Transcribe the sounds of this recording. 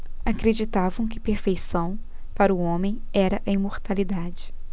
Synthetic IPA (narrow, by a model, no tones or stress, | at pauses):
akɾed͡ʒit̪avɐ̃w̃kɪpeɾfejsɐ̃w̃ | paɾʊõmẽj̃ɛɾɐʔɐimoɾt̪alid̪ad͡ʒɪ